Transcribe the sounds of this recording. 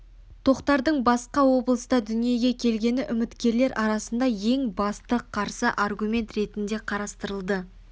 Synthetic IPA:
t̪ʰo̞qt̪ɑɾd̪əɴbɑsqɑwo̞blˠəst̪ɑd̪ʏnije̞ɡʲe̞kʲʰe̞lɡʲe̞nɪʔʏmɪt̪kʲe̞ɾle̞ɾʔɑɾɑsənd̪ɑje̞ŋbɑst̪əqʰɑɾsəʔɑrɡumʲe̞nt̪ɾe̞t̪ɪnd̪e̞qʰɑɾɑst̪əɾəlˠd̪ə

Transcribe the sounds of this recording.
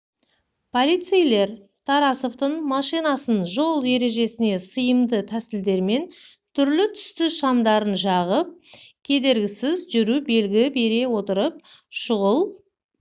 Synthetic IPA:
pʰolˠijt̪sɨjle̞ɾ | t̪ʰɑɾɑsoft̪əɴmɑʃijnɑsənʒo̞lˠje̞ɾe̞ʒe̞sɪne̞səjəmd̪ət̪ʰæsɪld̪e̞ɾme̞n | t̪ʰʏɾlɪt̪ʰʏ̥st̪ɪʃɑmd̪ɑɾənʒɑʁəp̚kʲʰe̞d̪e̞ɾɡʲɪsɪzʒʏɾube̞lɡʲɪbe̞ɾe̞wo̞t̪əɾəp̚ʃʊʁəlˠ

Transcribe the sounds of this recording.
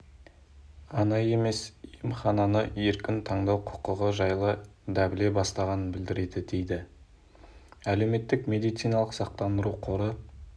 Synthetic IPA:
ɑnɑje̞me̞sijəmχɑnɑnəe̞ɾkʲɪnt̪ʰɑɴd̪ɑwqʰʊ̥qəʁəʒɑjlˠəd̪ɑbɪle̞bɑst̪ɑʁɑnənbɪld̪ɪɾe̞d̪ɪd̪e̞jd̪ɪ | æle̞wme̞t̪ːɪkmʲe̞d̪ijt̪sijnɑlˠəqsɑq̚t̪ɑnd̪əɾuqʰoɾə

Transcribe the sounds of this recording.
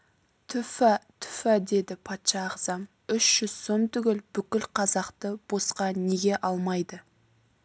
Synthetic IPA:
t̪ʰʏfæt̪ʰʏ̥fæd̪e̞d̪ɪpʰɑt̪ʃɑːʁzɑm | ʏʃʒ̥ʏz̥so̞mt̪ʏɡʲɪlbʏkʲɪlqʰɑzɑqt̪əb̥o̞sqɑne̞ɡʲe̞ʔɑlˠmɑjd̪ə

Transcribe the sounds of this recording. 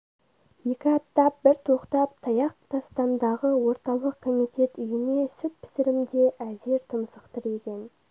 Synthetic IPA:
je̞kʲɪɑp̚t̪ɑp̚bɪɾt̪ʰoqt̪ɑp̚t̪ʰɑjɑqt̪ɑst̪ɑnd̪ɑʁəwo̞ɾt̪ɑlˠəqkʰo̞mijt̪ʲe̞t̪ʏjɪne̞sʏp̪̚pʰɪ̥sɪɾɪmd̪e̞ʔæze̞ɾt̪ʰəmsəqt̪əɾe̞kʲe̞n

